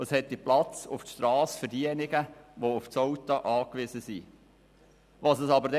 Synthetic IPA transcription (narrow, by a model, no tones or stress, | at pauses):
əshɛt̪ːiplɑt͡sʊ̰ftʃtɾɑːsfəɾdiənɪɡ̥əʋoʊfsowt̪ɑʔɑːkʋɪzəsi | ʋɑsəsɑbəɾdɛ